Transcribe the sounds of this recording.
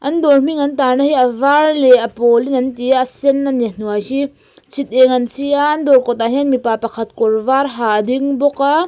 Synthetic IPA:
ʔɐndɔɾm̥iŋɐntaɾnahiɐvarlɛɐpɔlinɐntijaːsɛnːanen̥uajɦi | t͡sʰit̪̚ɛŋɐnsʰiaːnd̪ɔɾkɔt̪̬aɦianmipapɐkʰɐt̪̚kɔɾvaɾɦaɐd̪iŋbɔka

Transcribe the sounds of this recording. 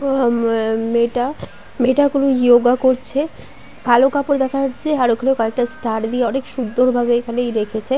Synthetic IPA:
meʈa | meʈakulojoɡakoɾt͡ɕʰe | kalokapoɾd̪ɛkʰaat͡ɕʰeaɾokʰalekɔek̚ʈasʈaɾd̪ieɔnekʃund̪ːoɾbʱabekʰalejɾekʰet͡ɕʰe

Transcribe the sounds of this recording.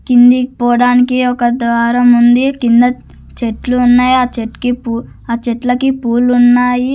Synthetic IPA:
kind̪ipɔːɽaːnikiɔkɐd̪ʋaːɾɐmund̪ikind̪ɐ | t͡ʃeʈluːnːaːjiaːt͡ʃeʈkipu | aːt͡ʃɛʈlɐkipuːlunːaːji

